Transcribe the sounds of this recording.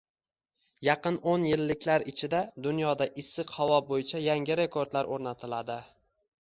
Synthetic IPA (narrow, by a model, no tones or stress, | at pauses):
jɑqɨnonjɪlːɪkʲlaɾɪt͡ʃʰɪd̪ad̪ʊnjɒd̪aʔɪsːɨqhavɒbojɪt͡ʃʰajaŋʲɪɾe̞kʰo̞ɾd̪laɾʔoɾnat̪ʰɪlad̪ɪ